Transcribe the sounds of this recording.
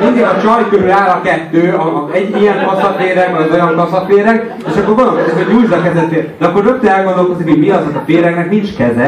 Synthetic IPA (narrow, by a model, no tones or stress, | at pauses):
iŋɡ̪eːlɒt͡ʃɒjkøɾylaːlɒkɛt̪ːøːɒɛɟːijɛŋkɒsɒt̪eːɾɛɡɛɛɟo̞jɒŋkɒsɒt̪ːeːɾɛɡ | eʃɒkːorɡond̪olkozikoɟuːjlzɒkɛzɛt̪ːed̪ɛɒkːo̞rnøk̚t̪ːøɛlɡond̪olkozikiɟmiɒzɒtɒt̪eːɾɛknɛknint͡ʃkɛzɛ